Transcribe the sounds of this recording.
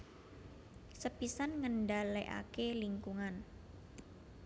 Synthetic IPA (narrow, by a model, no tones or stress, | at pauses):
səpisanŋənɖaleʔa̰keliŋkuŋan